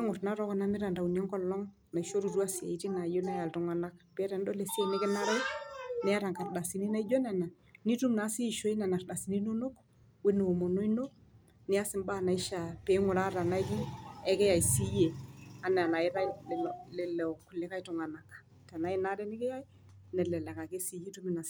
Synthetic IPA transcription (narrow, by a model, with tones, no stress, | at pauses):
e˦ŋʊ˨rna˦ɾɔ˦kɔ˦na˦mɪ˦ɾa˨nda˨u˨na˦ŋkɔ˦lːɔ˦ŋ | na˨iʃo˦ɾu˨ɾu˦a˦si˨a̰˨i˦ti˦na˨jo˦na˦ja˨ltʊ˨ŋa˨na˦kpɛ˦ɾɛ˨ndɔ˦lɛ˨si˦e˦nɪ˦kɪ˦na˦ɾa˦jnɛ˦a˦ɾa˨ŋka˨rda˨si˨ni˦na˦i˦d͡ʒo˦na˨na˨ | ni˦tu˦mna˨˦siː˦˨ʃo˦i˦na˨na˨rɗa˨si˨ni˦no˦no˦k | we˦n˨wo˨mo˨no˦i˦no˦k̚ | nɪ˦a˦sɪ˨mba˦na˨i˦ʃa˨pɛ˨˦ŋʊ˨la˦ta˨na˦jk̬i˦ɛ˦kɛ˦ja˨i˨si˦je˨a˨nɛ˨a˨na˨ɪ˦ɾa˦lɛllɛ˨lɛ˨ɔ˨ku˨lɛ˨ka˦jtɔ˨ŋa˨na˨k | ta˨na˨˦i˦na˦ɾɛ˦nɪ˦kɛ˦ja˦j | nɛ˨lɛ˨la˨ka˨ke˦si˨ji˦tu˦mi˨na˨